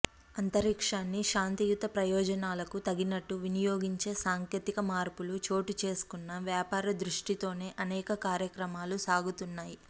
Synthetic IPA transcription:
ɐnt̪ɐɾikʂaːnːiʃaːnt̪ijut̪ɐpɾɐjɔːd͡ʒɐnaːlɐkut̪ɐɡinɐʈːuʋinijoːɡiɲt͡ʃe̞ːsaːŋkjeːt̪ikɐmaːɾpulut͡ʃo̞ːʈit͡ʃe̞ːsu̥kunːɐʋjaːpaːɾɐd̪ɾuʂʈit̪o̞ːne̞ːʔɐnɛːkɐkaːɾjɐkɾɐmaːlusaːɡut̪unːaːji

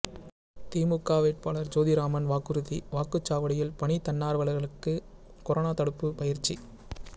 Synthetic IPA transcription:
t̪iːmɯkːaːʋeːʈ̚paːlɐɾd͡ʒoːðiɾaːmɐnʋaːkɯɾɯðiʋaːkɯt͡ʃːaːʋɐɽɪjɪlpɐɳit̪ːɐnːaːɾʋɐɭɐɣɐɭɯkːɯ | kɔɾonaːt̪ɐɽɯpːɯpɐjɪɾt͡ʃːi

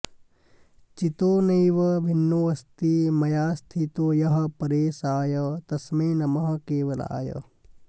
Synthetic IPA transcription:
t͡ʃit̪oːneːʋɐbʱɪnːoːɐst̪imɐjaːst̪ʰit̪oːjɐɦɐ̆pɐɾeːsaːjɐt̪ɐsmeːnɐmɐɦɐ̆keːʋɐla̰ːjɐ̰

